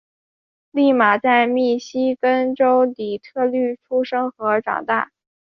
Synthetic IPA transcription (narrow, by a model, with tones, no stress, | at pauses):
li˥˩ma˨˩t͡sa˥˧ɪmi˥˩ɕi˥kə˥nʈ͡ʂo˥ʊt̪i˨˩t̪ʰɤ˥˧ly˥˩ʈ͡ʂʰu˥ʂɤ˥ŋxɤ˧˥ʈ͡ʂɑ̰˨˩ŋt̪a̰˥˩